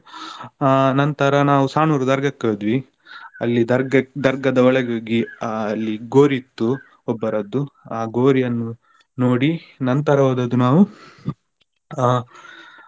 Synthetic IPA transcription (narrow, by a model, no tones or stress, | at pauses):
nɐnt̪ɐɾɐnaːʋusaːnuːɾud̪ɐɾɡɐkːɐd̪ʋi | ɐ̰lːid̪ɐɾɡɐd̪ɐɾɡɐd̪ɐɔɭɛɡaːɡiɐlːiɡoːɾit̪ːu | ɔbːɐɾɐd̪ːuaːɡo̞ːɾijɐnːu | noːɽinɐnt̪ɐɾɐʋaːd̪ɐd̪unaːʋu